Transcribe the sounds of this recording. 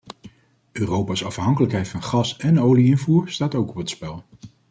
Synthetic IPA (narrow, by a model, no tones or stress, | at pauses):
øːrowpaːsɑfɦɑŋkələkɦɛjtfɑnχɑsɛnowliɪnvuːɹstaːtowkɔpɦətspɛlˠ